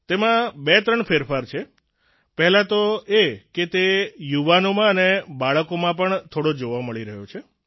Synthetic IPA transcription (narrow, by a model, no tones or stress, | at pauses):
t̪emãbet̪ɾəɳfʰeɾfaɾt͡ʃʰe | pɛɦlãt̪oeket̪ejuʋanomãənebaɭəkomãpəɳt̪ʰoɽod͡ʒoʋaməɭiɾəɦjot͡ʃʰe